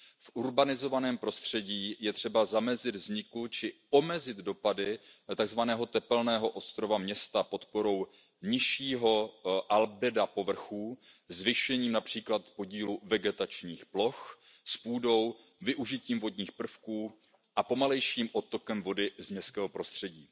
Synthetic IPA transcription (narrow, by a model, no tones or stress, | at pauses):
fʔuɾbanɪzo̞vanɛːmpɾo̞st̪r̝̥ɛɟiːjɛt̪r̝̥ɛbazamɛzɪd̪vzɲɪkut͡ʃɪ | o̞mɛzɪd̪do̞padɪt̪aɡzvanɛːɦo̞t̪ɛpɛlnɛːɦo̞ʔo̞st̪ɾo̞vamɲɛst̪apo̞t̪po̞ɾo̞w | ɲɪʃiːɦo̞ʔalbɪdapo̞vr̩xuːzvɪʃuɛɲiːmnapr̝̥iːklat̪po̞ɟiːluvɛɡɛt̪at͡ʃɲiːxplo̞x | spuːdo̞w | vɪʔuʒɪciːmvo̞dɲiːxpr̩fkuː | ʔapo̞malɛjʃiːmʔo̞t̪o̞kɛmvo̞dɪzmɲɛskɛːɦo̞pɾo̞st̪r̝̥ɛɟiː